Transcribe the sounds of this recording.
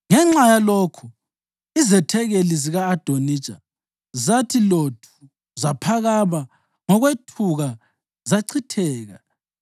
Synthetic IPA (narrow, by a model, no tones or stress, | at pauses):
ŋɛŋ͡ǁajaloːkʰu | izɛtʰɛɣeliziɣaːd̥ʱoni̥t͡ʃʼa̰ | zatʰilotʰu̥ | zapʰaɣaβa | ŋɔɣwetʰuɣa | zaǀʰitʰɛːɣa̰